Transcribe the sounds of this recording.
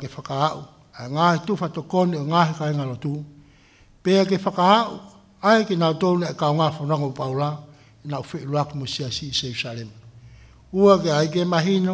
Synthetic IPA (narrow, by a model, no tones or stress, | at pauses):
ɡefakaaʔu | aeŋahitufatokonioŋaɦikaeŋalotu | peaɡefakaaʔṵ | aekenautownaekaoŋafonaŋoupawla | enaufeʔiluakumosiasiseɾusalema | uaɡeajɡemaɦino